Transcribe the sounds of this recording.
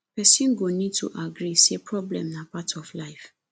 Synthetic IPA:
pɛsĩnɡonĩd̚tʰṵʔaɡɾisepʰɹɔblɛ̰̃mnãpatʰɔflaɪf

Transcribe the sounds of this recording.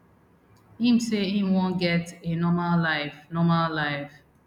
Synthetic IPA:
hĩm̩seimwõnɡɛtenɔmallaɪfnɔmallaɪf

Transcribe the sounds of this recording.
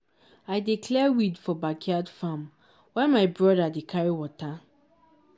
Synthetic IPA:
ajdikʰlɛwidfɔbakʰiadfam | wɛ̃nmaɪbɹɔdadekʰaɹiwɔta

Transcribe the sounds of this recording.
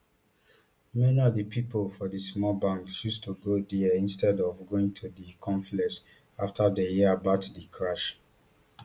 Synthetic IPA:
mɛniɔvdəpʰipʰolfɔdismɔlbãndsjustʰuɡodiĩnstʰɛdɔvɡoĩŋtʰudikʰɔ̃ɱflɛs | aftʰadəjibatdikʰɹaʃ

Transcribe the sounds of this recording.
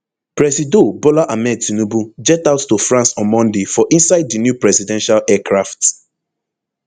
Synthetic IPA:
pɹɛsidobolaʔamɛtinubud͡ʒɛtaʊttufɹãnsɔ̃nmɔ̃ndefɔʔĩnsaɪddinjupɹɛzidɛ̃nʃalɛkɹaft

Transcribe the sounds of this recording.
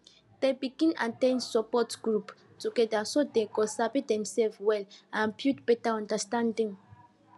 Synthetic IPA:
d̥ebiɡĩna̰tẽnsɔpɔtɡɹup | tuɡɛdasodeɡɔsabidɛ̃msɛlfwɛlãpjutb̥ɛtaɔ̃ndastãndĩŋ

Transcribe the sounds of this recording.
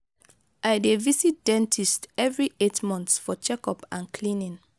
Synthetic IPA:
ʔaɪdevisit̚dɛ̃ntʰistɛvɹietmɔ̃nθsfɔt͡ʃɛkɔpãnkʰlĩnĩn

